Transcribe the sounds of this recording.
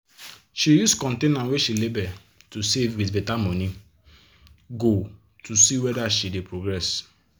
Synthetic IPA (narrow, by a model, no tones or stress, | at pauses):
ʃijuskɔ̃ntenãnweʃilebɛ | tusevwitbetamɔni | ɡo | tʰusiwɛdaʃidepɾoɡɾɛs